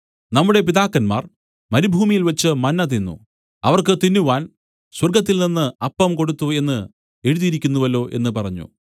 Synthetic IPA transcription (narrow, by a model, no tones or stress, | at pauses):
nɐmːuɽe̞piðaːkːɐnma̰ːr | mɐɾibʱuːmijilʋɐt͡ɕːɨmɐnːɐt̪̬inːṵ | ɐʋɐrkɨt̪inːuʋaːn | swɐrɡɐt̪̬ːilninːɨɐpːɐmko̞ɽut̪ːue̞nːɨ | e̞ɻuðijiɾikʲːunːuʋɐlo̞ːʔe̞̰nːɨpɐrɐɲːṵ